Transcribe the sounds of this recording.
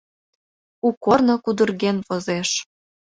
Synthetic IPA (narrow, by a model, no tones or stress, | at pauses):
ukornokud̪ərɣenvozeʃ